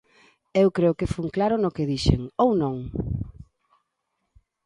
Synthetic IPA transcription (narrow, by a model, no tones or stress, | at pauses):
ewkɾeʊkɪfuŋklaɾʊnokɪðiʃḛŋownõŋ